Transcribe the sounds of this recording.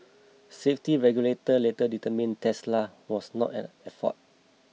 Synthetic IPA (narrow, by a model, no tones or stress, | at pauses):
seftiɹɛɡjuletəletəditəmĩntʰɛslawɔsnɔ̰tɛ̰̃nɛfɔ̰t̚